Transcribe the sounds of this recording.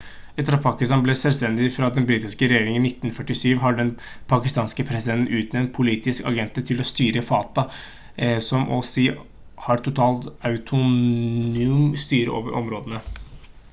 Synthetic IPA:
ɛt̪əɾɑpʰɑkɪst̪ɑnblɛsɛlst̪ɛnd̪ɪfɾɑd̪ɛnbɾiːt̪ɪskəɾɛjeːɾɪŋənɪt̪ːnfœʈːɪsyːʋɦɑɖɛn | pʰɑkɪst̪ɑːnskəpʰɾɛsɪd̪ɛnt̪n̩ʔʉːt̪nɛnt̪̚pʰʊliːt̪ɪskɑ̰ɡɛnt̪ət̪ʰɪlɔst̪yːɾəfɑːt̪ɑ | sɔmʔɔsiː | hɑɾʈ̪ʰʊt̪ʰɑːlt̪ɑʉt̪ʰʊ | ʉːmst̪yːɾə̰ʔo̰ːʋəɾʔɔ̰mɾoːd̪ənə

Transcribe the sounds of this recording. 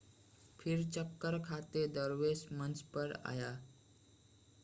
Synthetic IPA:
pʰiɾt͡ɕəkːəɾkʰat̪ed̪əɾʋesmənt͡spəɾa̰ja

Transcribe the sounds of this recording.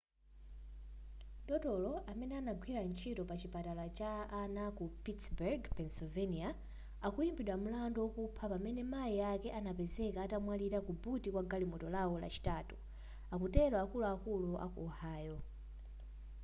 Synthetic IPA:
ɗɔtɔlɔamɛnɛanaɡwiɾant͡ʃʰitɔpat͡ʃipatalat͡ʃaːnakupitsbɛrɡpɛnsɔvɛnia | akujimbiɗwamulandɔwɔkupʰapamɛnɛmajiakɛʔanapɛzɛkaːtamwaliɾakubutikwaɡalimɔtɔlawɔla̰t͡ʃi̥tatu̥ | akutɛlwaakuluakuluʔa̰kuɔhaːjɔ

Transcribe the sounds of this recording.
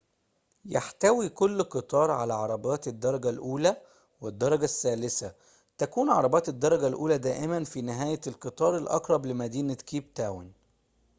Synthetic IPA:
jaħt̪æwikʊlːqɨt̪ˤɑːɾˤʕa̰læʕɑɾˤɑbɑːt̪ed̪ːɑɾˤɑɡælʔuːlæ | wɪd̪ːɑɾˤɑɡæsːæːlɪsæ | t̪ækuːnʕɑ̰ɾˤɑbɑːt̪ed̪ːɑɾˤɑɡælʔuːlæd̪æːʔɪmænfiːnɪɦæːjælqɨt̪ˤɑːɾˤelʔɑ̰qɾˤɑblɪmæd̪iːnækiːbt̪æːwa̰n

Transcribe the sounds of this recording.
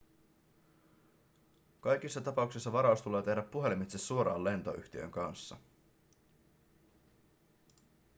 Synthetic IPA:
kɑjk̟isːɑt̪ɑpɑuksisːɑʋɑɾɑust̪ule̞ːt̪e̞hdæpːuɦe̞limit̪sesːuo̞ɾɑ̰ːle̞nt̪o̞̰ʔy̰çt̪iø̰ŋkɑnsːɑ̰

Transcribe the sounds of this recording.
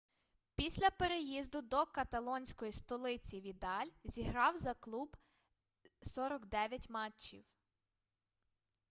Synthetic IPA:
pʲisʲlʲɐpeɾejizd̪ʊd̪ɔkɐt̪ɐlˠɔnʲsʲkɔjist̪ɔlˠɪt͡sʲiʋʲid̪ɑlʲzʲiɦɾɑwzɐklˠub | sɔɾɔɡd̪ɛʋʲjɐtʲmɑt͡ʃːḭw

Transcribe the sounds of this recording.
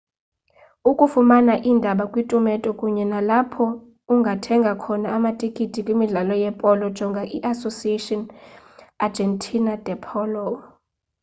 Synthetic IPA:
ukʼufumanaʔindʱaɓakʼwitʼumɛtʼɔkʼuɲɛnalapʰɔ | uŋɡʱatʰɛŋɡʱakʰɔnaːmatʼikʼitʼikʼwimiɮalɔjɛpʼɔlɔd̥d͡ʒʒ̥ʱɔŋɡʱaʔiʔasosietʼɔn | ad͡ʒʱɛntʰʼinad̥ʱɛpʰɔlɔ

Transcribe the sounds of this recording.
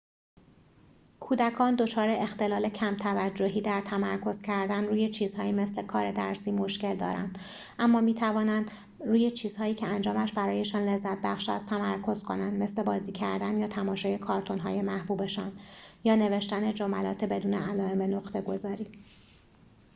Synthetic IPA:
kʰuːd̪ækʰɒːnd̪o̞t͡ʃʰɒːɾeʔext̪e̞lɒːle̞cʰæmt̪ʰævæd͡ʒːoɦiːd̪æɾt̪ʰæmæɾkʰo̞z̥cʰæɾd̪ænruːje̞t͡ʃʰiːzhɒːiːme̞sle̞kʰɒːɾe̞d̪æ̰ɾsiːmo̞ʃce̞ld̪ɒ̰ːɾæ̰nd̪̥ | ʔæmːɒːmiːt̪ʰævɒːnænd̪ | ɾuːje̞t͡ʃʰiːz̥hɒːjiːcʰeænd͡ʒɒːmæʃbæɾɒːje̞ʃɒːnle̞zːæt̪̚bæxʃæ̰st̪ʰæmæɾkʰo̞zkʰo̞nænd̪me̞sle̞bɒːziːcʰæɾd̪ænjɒːt̪ʰæmɒːʃɒːje̞kʰɒːɾt̪ʰo̞nɦɒ̰ːje̞mæhbuːbe̞ʃɒ̰ːnjɒːne̞ve̞ʃt̪æne̞d͡ʒomælɒ̰ːt̪ʰebe̞d̪uːneælɒːemenoqt̪ʰe̞ɡo̞zɒːɾiː

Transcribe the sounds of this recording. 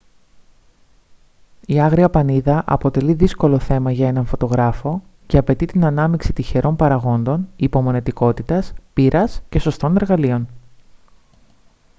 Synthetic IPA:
iɐɣɾiɐpɐniðɐʔɐ̰po̞t̪e̞liðisko̞lo̞θe̞mɐʝɐe̞nɐɱfo̞t̪o̞ɣɾɐfo̞ce̞ɐpe̞t̪it̪inɐnɐmiksit̪içe̞ɾʔo̞mpɐɾɐɣo̞nd̪o̞nipo̞mo̞ne̞t̪iko̞t̪it̪ɐspiɾʔɐsce̞so̞st̪o̞ne̞ɾɣɐlio̞n

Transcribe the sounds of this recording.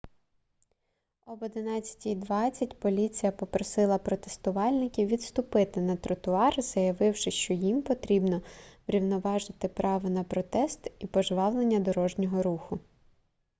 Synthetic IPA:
ɔbɔd̪ɪnɑt͡sʲːɐ̥tʲijd̪ʋɑt͡sʲːɐtʲpɔlʲit͡sʲijɐpɔpɾɔsɪlˠɐpɾɔt̪est̪ʊʋɑlʲnɪkʲiwʋʲit̪st̪ʊpɪt̪ɪnɐt̪ɾɔt̪ʊɑrz̥ɐjɐʋɪwʃɪʃt͡ʃɔjimpɔt̪ɾʲibnɔʋɾʲiwnɔʋɑʒɪt̪ɪpɾʔɑʋɔnɐpɾɔt̪ɛst̪ipɔʒʋɑwlˠenʲːɐd̪ɔɾɔʒnʲɔɦɔɾuxʊ

